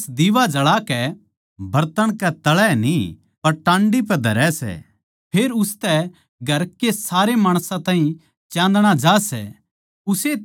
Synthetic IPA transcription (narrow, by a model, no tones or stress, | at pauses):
sd̪iʋad͡ʒɐɭakɛ | bɐɾt̪əɽ̃kɛt̪ɐɭɛni | pɐɾʈãːɳɖipɛd̪ʱɐɾɛsɛ̰ | pʰeːɾʊst̪ɛ | ɡʱɐɾkːesaːɾemaːɽ̃sãt̪ãːĩ | t͡ʃjãːnd̪ɽ̃ad͡ʒaːsɛ̰ | ʊse